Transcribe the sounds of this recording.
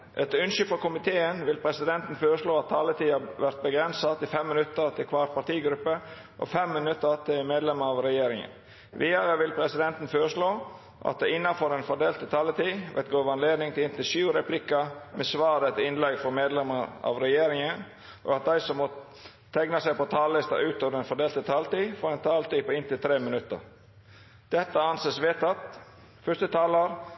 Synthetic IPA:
ʔɛt̪ʉnʃʏfɔɾkʊmɪt̪ʰeːənʋɪlpʰɾɛsɪd̪ɛnt̪n̩føːɾəʂɭoːɑt̪̚t̪ʰːɑːlət̪ʰiːɑʋæɾt̪̚bəɡɾɛnsɑt̪ɪfɛmːɪnʉt̪ːəɾt̪ʰɪlkʰʋɑːɾpʰɑt̪iːɡɾʉpːə | ʔɔ̰fɛmːɪnʉt̪ːət̪ʰɪlmeːd̪lɛməɾɑʋɾɛjeːɾɪŋə̰n | ʋiːɑɾəʋɪlpʰɾɛsɪd̪ɛnt̪n̩føːɾəʂɭoː | ʔɑ̰t̪̚d̪ɛɪnːɑfɔɾɛnfɔɖeːlt̪ʰɪt̪ʰɑːlət̪ʰiːʋʔɛ̰t̪ɡoːʋɑnleːd̪nɪŋt̪ʰɪlɪnt̪ɪlʃʉːɾɛpʰlɪkəmʔɛsʋɑːɾət̪ʰɪnlɛɡfɔmeːd̪lɛməɑ̰ʋɾɛjeːɾɪŋən | ʔɔ̰ɑt̪̚d̪æɪsɔmːɔ | t̪ʰæɡnɑsæɪpɔt̪ʰɑːllɪst̪ɑ̰ʔʉːt̪oːʋəɖɛnfɔɖeːlt̪ət̪ʰɑlt̪iːfɔɾɛnt̪ʰɑːlt̪iːpɔɪnt̪ɪlt̪ʰɾeːmənʉt̪ːə̰ɾ | d̪̥ɛt̪ːəɑnseːsʋeːt̪ɑt̪ | fœst̪ət̪ʰɑːləɾ

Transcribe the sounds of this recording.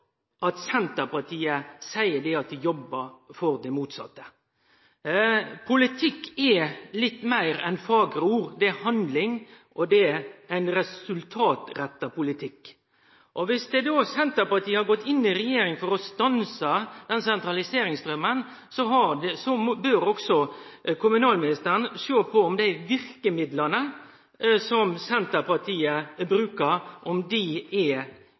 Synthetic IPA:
ʔɑt̪sɛnt̪əɾpɑt̪ʰiːəsæɪəɖɛɑt̪̚d̪ɪjɔbːəɾfɔɾd̪ɛmuːt̪sɑ̰t̪ːə̥ | pʰʊlɪt̪ʰɪkːɛlɪt̪ːmæɪɾɛnfɑːɡɾuːɾd̪ɛæhɑnd̪lɪŋʔɔd̪ɛæɪnɾɛsʉlt̪ʰɑːt̪ɾɛt̪ːɑpʊlɪt̪ʰɪkː | ʔɔʋɪsd̪ɛd̪oːsɛnt̪əɾpɑt̪ʰiːəhɑɾɡɔt̪ːɪnːɪɾɛjeːɾɪŋfɔɾɔst̪ɑnsəd̪̥ɛnsɛnt̪ɾɑlɪseːɾɪŋst̪ɾœmən | sɔɦɑdɛsɔbøɾɔksɔkʰʊmʉnɑːlmɪnɪst̪əɾənʃøːpʰɔɔmd̪æɪʋɪɾkəmɪd̪lənə | sɔmsɛnt̪əɾpɑt̪ʰiːəbɾʉːkəɾʔɔmd̪ɪɛ

